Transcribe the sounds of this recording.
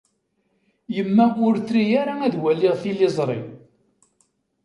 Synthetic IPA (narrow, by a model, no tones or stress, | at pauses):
jəmːæʔʊɾθɾijaɾaæðwælːɪʁθilɪzˤɾˤḭ